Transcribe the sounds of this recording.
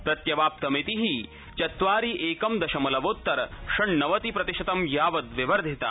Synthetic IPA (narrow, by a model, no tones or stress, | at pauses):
pɾɐt̪jɐbaːp̚t̪ɐmet̪iɦi | t͡ʃɐt̪ʋaːɾiʔeːkɐmd̪ɐʃɐmɐlɐʋoːt̪ːɐɾɐʂɐɳnɐʋɐt̪ipɾɐt̪iʃɐt̪ɐmjaːʋɐd̪ʋɪʋɐɾd̪ʱit̪a̰